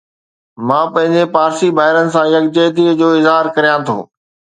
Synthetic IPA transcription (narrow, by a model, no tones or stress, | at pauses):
mãːpɐ̃ɦɪ̃ɲ̆d͡ʑepaːɾsibaːɦɪɾənɪ̆s̬ãjɐkd͡ʑeːd̪id͡ʑoːɪzɦaːɾkɐɾijãt̪ʰo̰ː